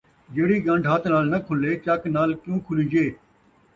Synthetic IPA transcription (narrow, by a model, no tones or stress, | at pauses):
d͡ʒeːɽiːɡə̃ɳɖʱɦat̪ʰnaːlnəkʰʊleːt͡ʃaknaːlkjũːkʰʊlid͡ʒeː